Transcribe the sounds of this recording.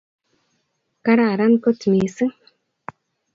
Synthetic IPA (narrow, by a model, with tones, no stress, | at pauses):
ka˦ɾa˦˨ɾa˦nko˦tmi˨sɨ˦ŋ